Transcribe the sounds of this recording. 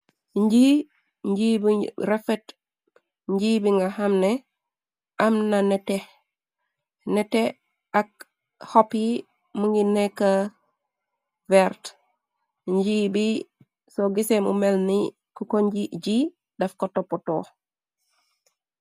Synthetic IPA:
ɲɟi | ɲɟibiɾɛfɛt | ɲɟibiŋɡahamnɛ | ɐmnanɛte | nɛtɛ | ak̚ | hɔpi | muŋɡinɛkːa | vɛɾt | ɲɟibi | soɡisemṵmɛlni | kukoɲɟiɟi | dɐfkotɔpːɔtɔ

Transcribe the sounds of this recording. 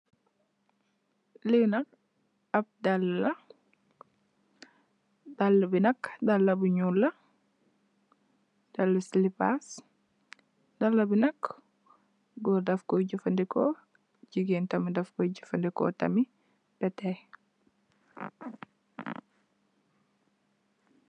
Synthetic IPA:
linɐk̚ | ɐb̚dɐlːɐ | dɐlːɐbinɐkdɐlːɐbuɲulɐ | d̥ɐlːɐslipa̰s | dɐlːɐbinɐk | ɡɔdɐfkɔɟifɐndikɔ | d͡ʒiɡintɐmidɐfkɔɟifɐndikɔ̰tɐ̰mi | bɛtɛ

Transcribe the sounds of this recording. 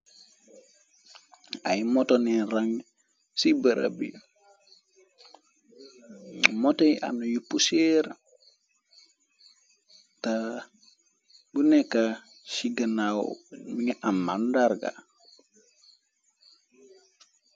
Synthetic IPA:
ajmotoninɾaŋ | sibəɾa̰bḭ | motojiʔa̰nujupːuseɾ | ta | bunekːa | siɡanawmiŋeʔamandaɾɡa̰

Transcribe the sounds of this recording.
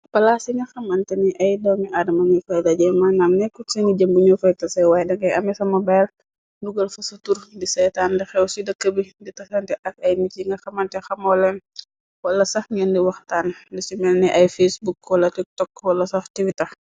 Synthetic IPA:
pɐlasiŋɡɐxɐmɐntɛniʔɐjdɔwmiʔadɐmɐŋifɐjdaɟɛmanamnɛkːɔsɐŋiɟɐmbuɲɔfɐjtɐsɛwajɛdɐŋɡɐjɐmɛsɐmɐbajl | duɡɐlfɐsɐtuɾdisɛjtaːndixɛwsidɐkːəbiditɐsɛntɛʔɐk̚ɐjmiciŋɡɐxɐmɐntɛxɐmɔlɛn | wɐlːɐsɐxŋɛndiwɐxtandisimɛlnɛʔɐjfesbukwɐlːɐtik̚tɔkːwɐlːɐsɐxtiwitɐr

